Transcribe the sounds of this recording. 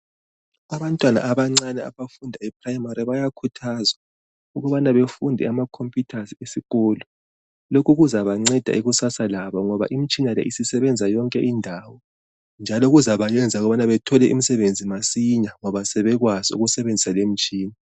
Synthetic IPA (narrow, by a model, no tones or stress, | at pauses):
aβantʼwana̰ːβaŋ͡ǀanɛa̰βafundʱaɛpʰʼrajimaɾiβajakʰutʰazwa | uɣɔβanaβefundʱɛ̰amakʰompʼjutʰasiesiɣɔːlɔ | lokʰuɣuzaβaŋ͡ǀɛd̥ʱa̰iɣusasalaβɔŋɔβa̰ʔim̩t͡ʃʼinalɛ̰ʔisisɛβɛnd͡zʱajɔŋkʼɛʔindʱaːwɔ | nd͡ʒʱalɔɣuzaβajɛnd͡zʱauɣɔβanaβɛtʰɔlɛʔḭm̩isɛβend͡zʱimasiɲaŋɔβasɛβɛɣwaziṵɣusɛβend͡zʱisalem̩t͡ʃʼiːna